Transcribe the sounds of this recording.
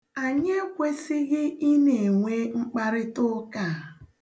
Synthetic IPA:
a˨ɲe˦kʷe˦sɪ˦ɣɪ˦ʔi˦ne˨ŋʷe˦ŋ͡m̩˦k͡pa˦ɾɪ˦tʊ˦ka˦˨

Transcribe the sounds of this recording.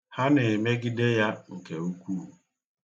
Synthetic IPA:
ha˦nɪ˨me˦ɡɪ˦de˦ja˦ŋ̩˨ke˨u˦kʷu˦˨

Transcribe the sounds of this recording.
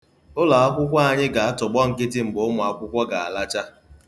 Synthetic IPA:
ʊ˦la˨a˦kʷʊ˦kʷa˦a˨ɲɪ˦ɡa˨a˦tʊ˨ɡ͡bɔ˦ŋ̩˨kɪ˦t̬ɪ˦m̩˨bʊ˨˦mʊ˨a˦kʷʊ˦kʷɔ˦ɡa̰˨a̰˨la˦t͡ʃa˦

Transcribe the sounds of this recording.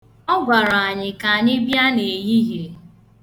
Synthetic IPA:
ɔ˦ɡʷa˨ɾa˨ɲɪ˨ka˨a˨ɲɪ˦bja˦ne˨e˨ji˦ɦe˨

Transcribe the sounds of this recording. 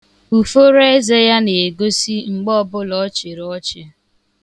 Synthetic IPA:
u˨fo˦ɾe˦ze˦ja˦ne˨e˨ɡo˦si˦ŋ͡m̩˨ɡ͡bɔ˦bʊ˦lɔ˦t͡ʃɪ˨ɾɔ˦t͡ʃɪ˨

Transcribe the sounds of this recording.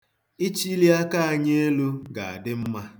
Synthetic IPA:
ɪ˦t͡ʃi˦li˦a˦ka˦a˨ɲe˦e˦lu˦ɡa˨a̰˨dɪ˦m̩˦ma˦

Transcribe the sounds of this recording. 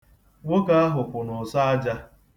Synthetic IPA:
wʷʊ˦ka˦a˦ɦʊ˨pʷʊ˨nʊ˨sa˦a˦d͡ʒa˦

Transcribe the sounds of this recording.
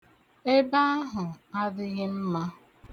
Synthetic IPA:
e˦ba˦a˦ɦʊ˨a˦dɪ˦ɣɪ˦m̩˦ma˦

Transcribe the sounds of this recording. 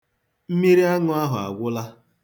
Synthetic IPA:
m̩˦mi˦ɾi˦a˦ŋʊ˦a˦ɦʊ˨a̰˨ɡʷʊ˦la˦

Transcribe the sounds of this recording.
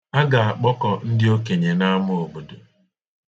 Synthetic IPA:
a˦ɡa˨a˨k͡pɔ˦kɔ˨n̩˦dɪ˦o˦ke˨ɲe˨na˦mʊ˦o˨bo˨do˨

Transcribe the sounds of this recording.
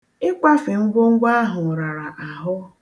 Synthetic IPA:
ɪ˦kʷa˦fɪ˨ŋ̩˦ɡʷʊ˦ŋ̩˦ɡʷa˦a˦ɦʊ˨ɾa˨ɾa˨ʔa˨ɦʊ˦

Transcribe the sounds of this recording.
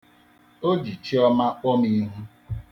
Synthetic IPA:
o˦d͡ʒi˨t͡ʃi˦ɔ˦ma˦k͡pɔ˦mi˦ɦu˦

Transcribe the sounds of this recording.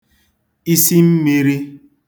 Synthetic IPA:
i˦si˦m̩˦mi˦ɾi˦

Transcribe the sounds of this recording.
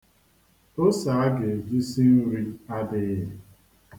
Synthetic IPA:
o˦sa˨a˦ɡe˨vi˦si˦n̩˦ɾi˦a˦dɪ˦ɣɪ˦

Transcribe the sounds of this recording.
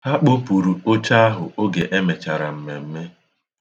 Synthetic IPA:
a˦k͡po˦pu˨ɾu˨o˦t͡ʃa˦a˦ɦʊ˨o˦ɡe˨ʔe˦me˨t͡ʃa˨ɾa̰˨m̩˨me˨m̩˦me˦

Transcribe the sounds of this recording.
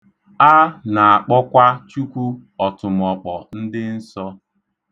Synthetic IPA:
a˦na˨a˨k͡pɔ˦kʷa˦t͡ʃu˦kʷu˦ɔ˨tʊ˨m˨ɔ˨k͡pɔ˨n̩˦dɪ˦n̩˦sɔ˦

